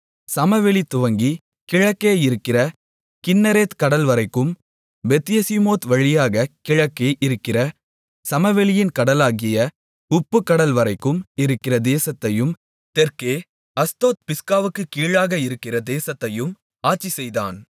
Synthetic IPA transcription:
sɐmɐʋɛɭit̪ʊʋɐŋɡi | kɪɻɐkːeːjɪɾɯkːɪrɐ | kɪnːɐɾeːt̪kɐɽɐlʋɐɾɐɪkːɯm | bɛt̪ːɪjɐsimoːt̪ʋɐɻɪjaːɣɐkɪɻɐkːeːʔɪɾɯkːɪrɐ | sɐmɐʋɛɭɪjɪnkɐɽɐlaːɣɪjɐ | ʊpːɯkːɐɽɐlʋɐɾɐɪkːɯmɪɾɯkːɪrɐd̪eːsɐt̪ːɐjɯm | t̪ɛɾkeː | ɐst̪oːt̪̚pɪskaːʋɯkːɯkiːɻaːɣɐɪɾɯkːɪrɐd̪eːsɐt̪ːɐjɯm | aːt͡ʃːisɛjðaːn

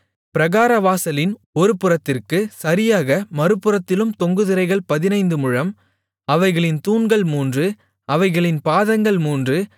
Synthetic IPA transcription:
pɪɾɐɣaːɾɐʋaːsɐlɪn | ɔɾɯpːɯrɐt̪ːɪrkɯsɐɾɪjaːɣɐmɐɾɯpːɯrɐt̪ːɪlɯmt̪ɔŋɡɯðɪɾɐɪɣɐɭpɐðɪnɐɪnd̪ɯmɯɻɐm | ɐʋɐɪɣɐɭɪnt̪uːnɡɐɭmuːndrɯ | ʔɐʋɐɪɣɐɭɪnpaːðɐŋɡɐɭmuːndrɯ

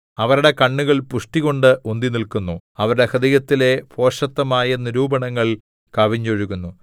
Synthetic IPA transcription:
ɐʋɐɾuɽe̞kɐɳːuɣɐɭpuʂʈiɣo̞ɳɖɨʔond̪inilkunːuɐʋɐɾuɽekɐd̪ijɐt̪ːile̞pʰo̞ːʂɐt̪ːɐmaːjɐniɾuːbɐɳɐŋːɐɭ | kɐʋiɲːoɻuɣunːu

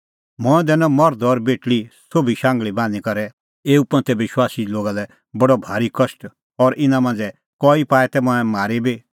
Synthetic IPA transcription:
mɔ̃ɛ̃d̪ɛnɔ̃mɔɾd̪ɔɾbeːʈɭisobʱiʃãːŋɡɭibãːnikɐɾɛ | eːupɐ̃nt̪ɛʋɪʃwaːsiloːɡalɛ | bɐɽɔbʱaːɾikɐsʈ | ɔɾʔɪnãmãːnd͡zɛ | kɔːipaːɛt̪ɛmɔ̃ɛ̃maːɾebi

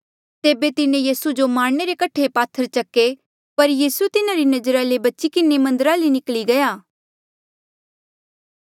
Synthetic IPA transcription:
t̪eːbet̪ɪnẽjiːsud͡ʒomaːɽñeɾekɐʈʰepaːt̪ʰːəɾt͡ʃɐkːe | pɐɾjiːsut̪ɪnaɾinɐd͡ʒəɾalebɐtːʃikɪnemɐ̃nd̪əɾalinɪkliɡɐjaː

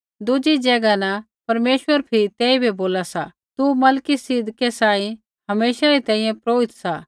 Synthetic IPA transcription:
d̪ʊd͡ʒid͡ʒɛɡanã | pɐɾmeːʃwəɾpʰɪɾt̪eːibʱiboːlasa | t̪umɐlkisɪd̪ʱkesãːĩ | hɐmeːʃaɾit̪ɛ̃ːĩjɛ̃pɾoːɪt̪sa

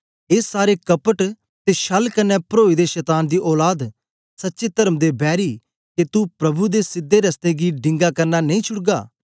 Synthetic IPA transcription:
eːsːaːɾekɐpəʈ | t̪eʃɐlkɐnːɛpɾoːid̪eʃɛːt̪aːnd̪iʔɔːlaːd̪ | sɐtːʃet̪ɐɾəmd̪ebɛːɾiː | ket̪upɾɐbud̪esɪd̪ːeɾɐst̪eɡiɖɪ̃ŋɡakɐɾnanɐĩːt͡ʃʰʊɽɡaː

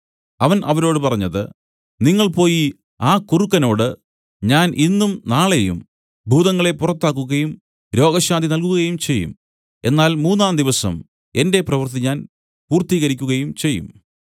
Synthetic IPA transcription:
ɐʋɐnʔɐʋɐɾo̞ːɽɨpɐrɐɲːɐðɨ̰ | niŋːɐɭpo̞ːji | aːkurukːɐno̞ːɽɨ | ɲaːnʔinːumnaːɭe̞jṵm | bʱuːðɐŋːɐɭe̞purɐt̪ːaːkːuɣɐjum | ɾo̞ːɡɐɕaːnd̪ʱinɐlkuɣɣɐjumt͡ɕe̞jːṵm | e̞nːaːlmuːnːaːnd̪iʋɐsɐ̰m | e̞nde̞prɐʋɨrt̪̬iɲaːn | puːrt̪iːɣɐɾik̬ʲːuɣɐjumt͡ɕe̞jːṵm

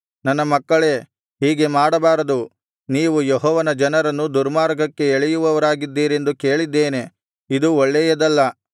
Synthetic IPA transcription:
nɐnːɐmɐkːɐɭe̞ː | ɦiːɡe̞maːɽɐbaːɾɐd̪u | niːʋujeɦɔːʋɐnɐd͡ʒɐnɐɾɐnːud̪uɾmaːɾɡɐkːe̞ːɭɛjuʋɐʋɐɾaːɡid̪ːiːɾe̞nd̪uke̞ːɭid̪ːe̞ːne̞ | id̪uɔɭːɛjɐd̪ɐlːɐ

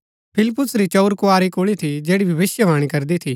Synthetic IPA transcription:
pʰɪlɪpːʊsɾit͡ʃɐʊɾkʊaːɾikoːɭit̪ʰid͡ʒeːɽibʱɐʋɪsjəʋaːɽ̃ikɐɾd̪it̪ʰiː

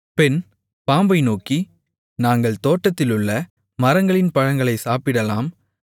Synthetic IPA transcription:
pɛn | paːmbɐɪnoːki | naːŋɡɐɭt̪oːʈːɐt̪ːɪlɯɭːɐ | mɐɾɐŋɡɐɭɪnpɐɻɐŋɡɐɭɐɪsaːpɪɽɐlaːm

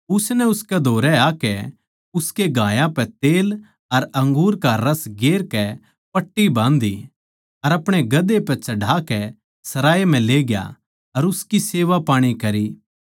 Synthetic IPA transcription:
ʊsnɛʊskɛd̪ʱoːɾɛaːkɛ | ʊskeɡʱaːjãpɛt̪eːl | ɐɾɐ̃ŋɡuːɾkaɾɐsɡeːɾkɛ | pɐʈːibãːnd̪i | ɐɾɐpɽ̃eɡɐd̪epɛt͡ʃɐɖʱaːkɛ | sɐɾaːem̤ɛ̃leːɡja̰ | ɐɾʊskiseːʋapaːɽ̃ikɐɾi

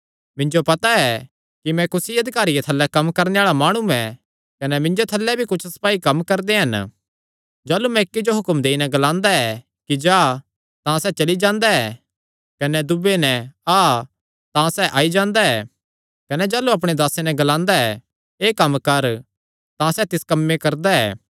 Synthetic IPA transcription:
mɪ̃nd͡ʒopɐt̪aɛ | kimɛ̃kʊsiɐd̪ʱɪkaːɾijet̪ʰɐlːɛkɐmkɐɾneaːɭamaːɽ̃ũɛ̃ | kɐnɛmɪ̃nd͡ʒot̪ʰɐlːɛbʱikʊt͡ʃʰsɐ̥paːikɐmkɐɾd̪eɦɐn | d͡ʒaːlumɛ̃ɪkːid͡ʒoɦʊkəmd̪eːinɛɡɐlãːnd̪aɛ | kid͡ʒaː | t̪ãsɛːt͡ʃɐlid͡ʒãːnd̪aɛː | kɐnɛd̪ʊbenɛ̃aː | t̪ãsɛʔaːid͡ʒãːnd̪aɛː | kɐnɛd͡ʒaːluɐp̬ɽ̃ed̪aːsenɛɡɐlãːnd̪aɛ | eːkɐmːkɐɾ | t̪ãsɛt̪ɪskɐmːẽkɐɾd̪aɛ̰ː

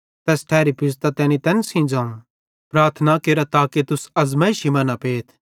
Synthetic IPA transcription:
t̪ɛːsʈʰɛːɾipɪs̬t̪at̪ɛːnit̪ɛ̃ːnsĩd͡zãːũ | pɾaːɾt̪ʰnakeːɾat̪aːket̪ʊsɐzmaːiʃimɐnapeːt̪ʰ

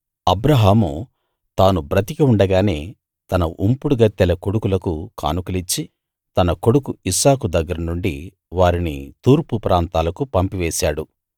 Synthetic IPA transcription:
ɐbɾɐɦaːmu | t̪aːnubɾɐt̪ikiuɳɖɐɡaːne̞ː | t̪ɐnɐʔumpuɽuɡɐt̪ːɛlɐko̞ɽukulɐkuka̰ːnukɐlit͡ʃːi | t̪ɐnɐko̞ɽukuisaːkud̪ɐɡːɐɾɐnuɳɖi | ʋaːɾinḭt̪uːɾpupɾʔaːnt̪aːlɐkupɐmpiʋɛːsaːɽu

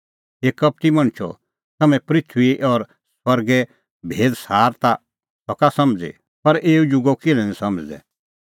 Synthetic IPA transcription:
eːkɐp̚ʈ̪imɐɳ̃t͡ʃʰɔ̰ | t̪ɐmɛ̃pɾɪt̪ʰiʔɔːɾ | swɐɾɡɛ | bʱeːd̪saːɾt̪a | sɔkasɐmd͡zḭ | pɐɾeːud͡ʒʊɡɔkɪlɛ̃nɛ̃sɐmd͡ʒd̪ɛ̰

